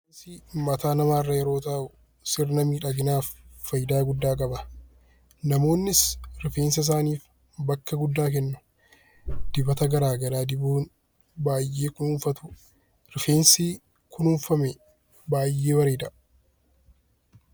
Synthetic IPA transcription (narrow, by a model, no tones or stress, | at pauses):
nsimɐt̪aːnɐmaːɪrːɐjɛɾo̞ːt̪aːʔʊ | sɪɾnɐmiːᶑɐɡɪnaːfːɐjɪd̪aːɡʊd̪ːaːk̬ʼɐbɐ | nɐmo̞ːnːɪsɾɪfeːns̬ɐɪs̬aːniːf | bɐkːɐɡʊd̪ːaːk̬ɛnːʊ | d̪̥ɪbɐt̪ɐɡɐɾaːɡɐlaːd̪ɪbuːn | baːjːeːkʊnʊːɱfɐt̪ʊ̥ | ɾɪfeːnsiː | kʰʊnʊɱfɐmɛ | baːjʔːeːbɐɾeːd̪ɐʔ